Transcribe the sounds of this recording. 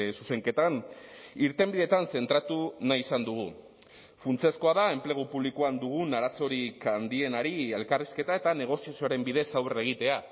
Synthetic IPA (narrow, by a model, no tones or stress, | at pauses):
suse̞ŋke̞t̪aniɾt̪e̞mbiðet̪anse̞nt̪ɾat̪unajisand̪uɣ̞u | funt͡sesko̞aðae̞mple̞ɣ̞upuβlikoand̪uɣ̞unaɾaso̞ɾikand̪ie̞naɾie̞lkariske̞t̪ae̞t̪ane̞ɣ̞o̞siasioaɾe̞mbiðe̞sawre̞ɣ̞it̪e̞a